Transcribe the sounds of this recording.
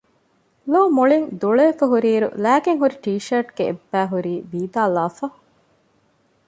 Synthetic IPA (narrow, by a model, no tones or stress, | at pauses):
loːmoɭiŋd̪uɭeːfɐɦuɾiːɾṵlæːkeŋɦuɾiʈiːʃɐɾʈɡ̥eḛbːæːɦuɾiːʋiːd̪aːlaːfɐ